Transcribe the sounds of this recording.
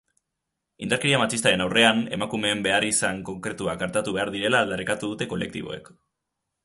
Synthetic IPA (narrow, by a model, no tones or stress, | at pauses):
ḭnd̪aɾkeɾiamat͡ʃist̪aɾe̞nawre̞ane̞̰makume̞ːmbe̞arisaŋko̞ŋkɾe̞t̪uakɡaɾt̪at̪uβe̞aɾðiɾe̞laːld̪aɾikat̪uðut̪e̞ko̞le̞k̚t̪ḭβo̞̰e̞̰k